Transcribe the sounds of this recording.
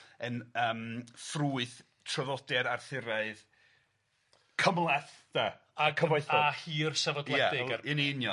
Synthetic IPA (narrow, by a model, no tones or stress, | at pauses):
ənəːmfruɨθ | tʰrɔðɔdɛɾarθɪɾaɨð | kʰəmlˠɛθd̥a | akʰəvajθɔahiːrsavɔdlˠɛaɪɪniɪnjɔ